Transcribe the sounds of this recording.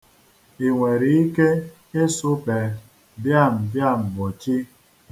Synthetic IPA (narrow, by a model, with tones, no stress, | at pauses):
i˨ŋʷe˨ɾi˦i˦ke˦ | e˦sʊ˦pe˨ | bja˦˨m̩˨bja˦˨m̩˨mo˨t͡ʃi˦